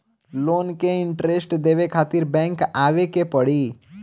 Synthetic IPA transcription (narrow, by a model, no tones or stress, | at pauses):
loːnkeɪɳʈɾesʈd̪eːʋekʰaːt̪ɪɾbɛ̃ːŋkaːʋekepəɽiː